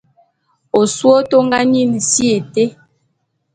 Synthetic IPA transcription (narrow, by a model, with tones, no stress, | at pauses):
o˨su˦o˦to˦ŋɡa˦ni˦˨n˨si˦e˨te˦